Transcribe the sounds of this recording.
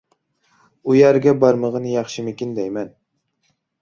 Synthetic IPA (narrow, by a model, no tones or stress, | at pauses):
ujæɾɡʲɛbɑɾmɨʁɨnjɑχʃɪmɪkʲind̪ɛjmɛn